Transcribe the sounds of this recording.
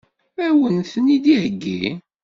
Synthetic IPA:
æwənθənid̪ihəɡːḭ

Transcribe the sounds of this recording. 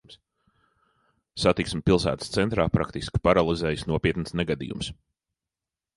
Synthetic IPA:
ms | sat̪iksmɪpilˠsæ̰ːt̪ə̥st̪sɛnt̪ɾaːpɾa̰kt̪iski̥paɾalˠizɛːjsnuɔpʲiɛt̪nsneɡad̪ḭjṵms

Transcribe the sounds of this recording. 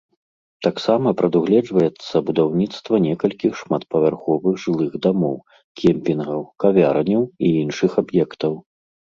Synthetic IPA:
t̪aksamɐpɾɐd̪uɣlʲɛd͡ʐvɐjɛt̪sːɐbud̪awnʲit̪st̪vɐnʲɛkɐlʲkʲixʂmat̪̚pɐvʲarxɔvɨɣʐɨlˠɨɣd̪amɔw | kʲʰɛmpʲinɣɐwkavʲaɾɐnʲɐwiinʂɨxabjɛkt̪ɐw

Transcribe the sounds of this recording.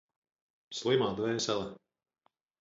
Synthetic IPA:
slˠimaːd̪vɛːsɛlˠɛ

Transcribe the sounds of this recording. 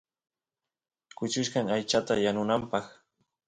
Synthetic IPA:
kʊt͡ʃʊʃɢɑŋajt͡ʃat̪ajanʊnampɑχ

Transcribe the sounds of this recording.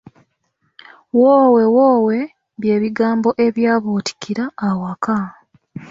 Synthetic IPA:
woːwe̞woːwe̞ | βje̞ːβiɡaːmbo̞ʔe̞βjaːβoti̥kʰiɾaːwaka

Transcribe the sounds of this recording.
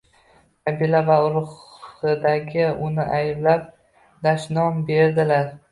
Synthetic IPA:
qʰabilavaʊɾʊχɨd̪aɡʲɪʊnɪʔajblap̚ | d̪aʃnɒmbe̞ɾd̪ɪlaɾ

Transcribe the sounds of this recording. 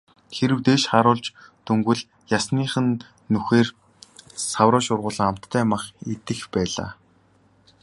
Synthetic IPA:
xeɾɘ̆wt̪eːʃχaɾʊːɮt͡ɕ | t̪ʰɵŋɡɘ̆ɮ | jasniːχɘ̆nː | uxeːr | sawɾɔːʃʊrʁʊːɮə̆ŋam̥t̪ʰːæːmaχet̪ɘ̆xpæːɮa̰ː

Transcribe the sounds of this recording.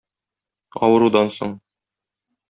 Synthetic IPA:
ɒ̰wɤ̆ɾud̪ɑnso̰ɴ

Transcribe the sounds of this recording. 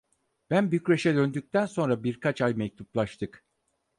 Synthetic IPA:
b̥ænbyjycɾeʃɛd̪ø̞nd̪yc̚t̪ʰænso̞nɾabiɾkʰat͡ʃajmɛc̚t̪ʰuplˠaʃt̪ʰɯk

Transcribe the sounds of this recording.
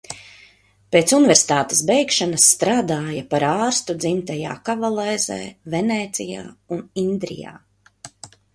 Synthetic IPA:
peːt̪sunɪvʲɛɾsi̥t̪aːt̪ɛ̥sbɛjkʃanɐsːt̪ɾaːd̪aːjapaɾaːɾst̪ud̪zimt̪aja̰ːkavalˠɛːzɛ̰ːvɛnɛːt̪sija̰ːunind̪ɾḭja̰ː

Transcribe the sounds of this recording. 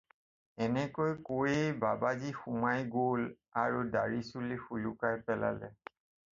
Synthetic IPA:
ɛnɛkojkojejbabazixumajɡol | aɹudaɹisulixulukajpɛla̰lɛ

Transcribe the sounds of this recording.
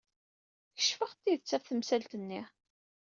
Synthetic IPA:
çə̥ʃfəʁt̪ːiðət͡sːæfθəmsælt̪ənːi

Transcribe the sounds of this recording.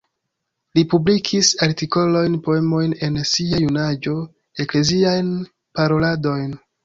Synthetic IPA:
lipublikʰisaɾtiko̞lo̞jnpo̞e̞mo̞jne̞nsiajunad͡ʒo̞ | e̞kle̞ziajn | paɾo̞lado̞jn

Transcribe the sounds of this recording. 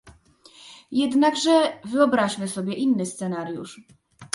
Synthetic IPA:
jɛd̪naɡʐɛvɘɔbɾaɕmɘsɔbʲjɛʔinːɘst̪sɛnaɾjṵʂ

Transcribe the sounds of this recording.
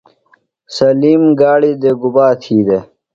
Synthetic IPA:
sɐliːmɡaːɽid̪eɡubaːt̪ʰiːd̪e

